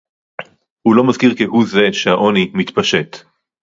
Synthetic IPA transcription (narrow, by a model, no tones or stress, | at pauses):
hulo̞mazkiʁkehuze̞ʃehaʔo̞nimitpaʃe̞t